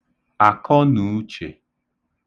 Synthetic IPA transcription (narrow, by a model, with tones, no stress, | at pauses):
a˨kɔ˦nu˨˦t͡ʃḛ˨